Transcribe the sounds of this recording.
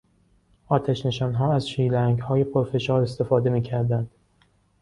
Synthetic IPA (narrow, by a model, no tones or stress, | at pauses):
ʔɒːt̪ʰæʃne̞ʃɒːnɦɒːæzʃiːlæŋɡhɒːje̞pʰoɾfe̞ʃɒːɾe̞st̪e̞fɒːd̪e̞miːcʰæɾd̪ænd̪̥